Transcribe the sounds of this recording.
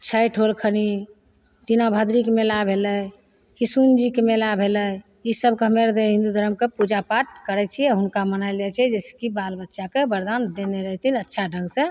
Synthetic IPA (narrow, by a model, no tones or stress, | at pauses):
t͡ʃʰəjʈʰolkʰəni | t̪inabʱəd̪ɾikmelabʱelə | kisund͡ʒikemelabʱeləj | isəbkəmeɾd̪eɦĩnd̪ud̪ʱəɾəmkepud͡ʒapaʈ̚kəɾɛt͡ʃʰiɛɦunkamənajld͡ʒɛt͡ʃʰɛd͡ʒɛskibalbətːʃakebəɾd̪and̪eneɾəɦt̪inətːʃʰaɖʱə̃ŋɡsẽ